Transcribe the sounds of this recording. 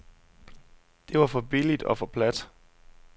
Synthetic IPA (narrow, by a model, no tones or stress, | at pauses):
d̥e̝ʋɑ̈fɒ̽b̥ilid̥ɒ̽fɒ̽pʰlæd̥